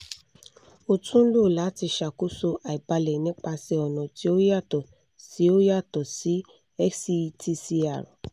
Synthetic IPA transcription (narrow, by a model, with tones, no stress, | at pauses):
o˨tũ˦lo˦˨la˨˦ti˧ʃa˨ku˦so˧ʔa˨i˨ba˧lɛ˨nĩ˨˦k͡pa˧sɛ˧ɔ˨nɔ̃˨ti˨˦o˦ja˦˨tɔ˨ | si˨˦o˦ja˦˨tɔ˨si˨˦ | ɛ˦ksi˧ti˧si˧a˨ɾɔ̰˨